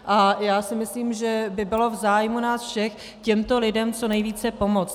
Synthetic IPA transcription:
ʔajaːsɪmɪsliːmʒɛbɪbɪlo̞vzaːjmunaːsfʃɛx | cɛmt̪o̞lɪdɛmt͡so̞nɛjviːt͡sɛpo̞mot͡s

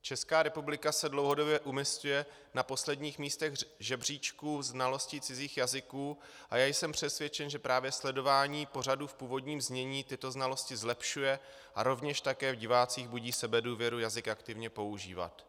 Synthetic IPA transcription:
t͡ʃɛskaːɾɛpublɪkasɛdlo̞wɦo̞do̞bjɛʔumɪscujɛ | napo̞slɛdɲiːxmiːst̪ɛɣʒɛbr̝iːt͡ʃkuːznalo̞scɪt͡sɪziːxjazɪkuː | ʔajaːjsɛmpr̝̥ɛsvjɛt͡ʃɛnʒɛpɾaːvjɛslɛdo̞vaːɲiːpo̞raduːfpuːvo̞dɲiːmzɲɛɲiːt̪ɪt̪o̞znalo̞scɪzlɛpʃujɛ | ʔaɾo̞vɲɛʃt̪akɛːvɟɪvaːt͡siːɣbuɟiːsɛbɛduːvjɛɾujazɪkʔakt̪ɪvɲɛpo̞uʒḭːva̰t̪

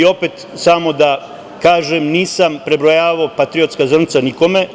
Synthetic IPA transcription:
o̞pet̪ | samo̞d̪a | kaːʒemniːsampɾe̞bɾojaːʋaopat̪ɾio̞t̪skazr̩nit̪saniko̞me

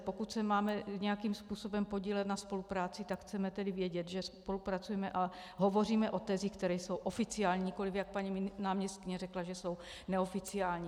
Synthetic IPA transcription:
pokut̪sɛmaːmɛɲɛjakiːmspuːso̞bɛmpo̞ɟiːlɛt̪naspo̞lupɾaːt͡sɪt̪akxt͡sɛmɛt̪ɛdɪvjɛɟɛt̪ʒɛspo̞lupɾat͡sujɛmɛʔa | ɦo̞vo̞r̝iːmɛʔo̞t̪ɛzixkt̪ɛɾɛjso̞wʔofɪt͡sɪjaːlɲiɲɪko̞lɪfjak̚paɲimnaːmɲɛst̪̚kɪɲɛrɛklaʒɛso̞w | nɛo̞fɪt͡sɪaːlɲiː

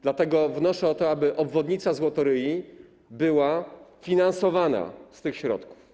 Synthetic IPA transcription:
d̪lat̪ɛɡɔvnɔʂɛɔt̪ɔabɘʔɔbvɔd̪ɲit̪sazwɔt̪ɔɾɘji | bɘwafʲinansɔvana̰st̪ɘxɕɾɔ̰t̪ku̥f

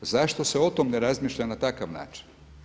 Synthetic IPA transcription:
zaʃt̪o̞seot̪omneɾazmiːʃʎanat̪akaʋna̰ːt͡ʃi̥n

